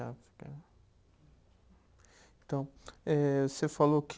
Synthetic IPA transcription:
afi̥kɐ | ẽt̪ɐ̃w̃ɛvosefalok

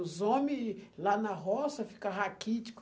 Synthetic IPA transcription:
zomilanaɦɔsɐfi̥kɐɦakit͡ʃi̥k

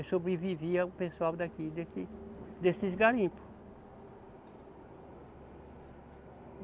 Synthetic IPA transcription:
sobɾeviviɐpẽsuawd̪akid̪esɪd̪esɪzɡaɾĩpʊ̥

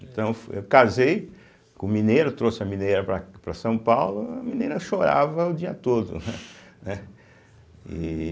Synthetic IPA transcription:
ẽt̪ɐ̃w̃fḛwkazej | kõmĩneɾɐt̪ɾosɪɐmĩnejɾɐpɾɐpɾɐsɐ̃w̃pawlʊɐmĩneɾɐʃoɾa̰vɐʊd͡ʒiɐt̪od̪ʊ̰nɛnɛ | ḭ

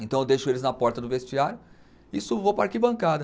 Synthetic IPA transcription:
ẽnt̪ɐ̃w̃ewd̪ejʃʊelɪznɐpɔɾt̪ɐd̪ʊvest͡ʃiaɾjʊ | isʊvopɾaɾkibɐ̃kad̪ɐ

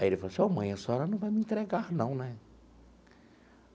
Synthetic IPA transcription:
ajielɪfalosɪomɐ̃j̃ɐsɔɾɐnɐ̃w̃vajmɪĩnt̪ɾeɡaɾnɐ̃w̃nɛ

